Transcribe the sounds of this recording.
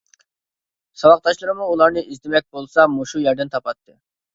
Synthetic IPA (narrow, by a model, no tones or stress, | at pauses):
sɑwɑq̚t̪ɑʃlˠɨɾmuːlˠɑɾnɨizd̪emɛk̚ʲbolˠsɑmuʃujæɾd̪ɪnt̪ʰɑpɑt̪ːɨ